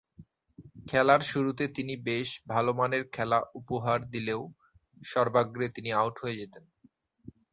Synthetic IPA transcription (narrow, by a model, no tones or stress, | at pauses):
kʰɛlaɾʃuɾut̪et̪inibeʃbʱalomaneɾkʰɛlaʔupoɦaɾd̪ileo | ʃɔɾbaɡɾet̪iniawʈɦoed͡ʑet̪en